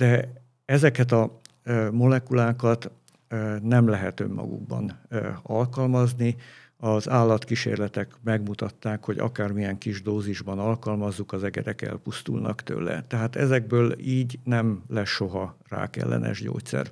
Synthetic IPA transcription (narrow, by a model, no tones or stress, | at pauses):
d̪̥ɛ | ɛzɛkɛt̪ɒ | mo̞lɛkulaːkɒt̪ | nɛmlɛɦɛt̪ø̞mːɒ̰ɡṵɡ̚bɒ̰nɒlkɒlmɒzni | ɒzaːlːɒt̪kiʃḛːrlɛt̪ɛkmɛɡmut̪ɒt̪ːaːkho̞ɟɒ̰kaːrmijɛŋkiʒd̪oːziʒbɒnɒlkɒlmɒzːukɒzɛɡɛd̪ɛkɛ̰lpust̪ulnʔɒkt̪ø̰ːlːɛ̰t̪ɛɦaːt̪ɛzɛɡ̚bøːliːɟnɛmlɛʃo̞ɦɒra̰ːkɛ̰lːɛ̰nʔɛ̰ʒɟo̰ːt̪sɛ̰r